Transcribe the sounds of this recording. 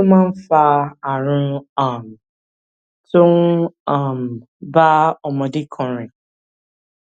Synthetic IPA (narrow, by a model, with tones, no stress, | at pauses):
mã˦n̩˦fa˧a˨ɾʊ̃˦a˦˨m˨ | tʊ̃˦ŋ˦a˦˨m̩˨ | ba˦ɔ˨mɔ̃˨dɪ˦kʰɔ̃˨ɾɪ̃˨